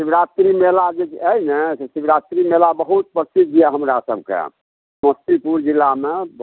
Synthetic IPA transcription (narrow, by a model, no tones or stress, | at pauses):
sibɾat̪ɾimelad͡ʒeəinesesibɾat̪ɾimelabəɦut̪̚pɾəsit̪̚d͡ʒijɛɦəmɾasəb̚ʱkḛ | məst̪ipuɾd͡ʒilːame